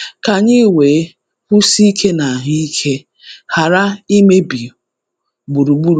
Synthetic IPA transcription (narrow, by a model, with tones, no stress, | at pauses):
ka˨ɲi˦we˨˦ | kʷu˦si˦i˦kʰe˦na˨ɦi˦kʰe˦ | ha˨ɾa˦i˦me˦bi˨ | ɡ͡bu˨ɾu˨ɡ͡bu˦ɾ